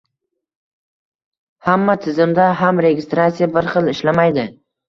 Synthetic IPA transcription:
hamːat̪ʰɪzɪmd̪aɦamɾe̞ɡʲɪst̪ɾat̪sijabɪɾχɨlˠɪʃlamajd̪ɪ

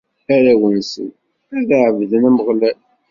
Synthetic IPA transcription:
æɾæwənsə̰n | æðəʕəvðənæmʁlæ

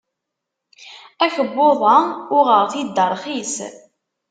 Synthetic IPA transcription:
æçəbːoðˤɑʊʁəʁθid̪ːəɾˤχis

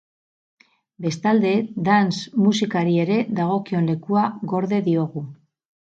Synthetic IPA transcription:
be̞st̪ald̪e̞d̪ansmusikaɾie̞ɾe̞ðaɣ̞o̞kio̞nle̞kuaɣo̞ɾðe̞ðio̞ɣu

